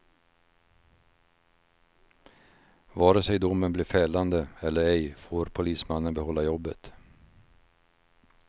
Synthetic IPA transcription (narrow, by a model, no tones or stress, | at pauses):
vɑːɾəsɛjd̪ʊmːənbliːɾfɛːland̪əɛlːəɾɛjfoːɾpʰʊliːsmanːənbɛhɔlːajɔbːə̰t̪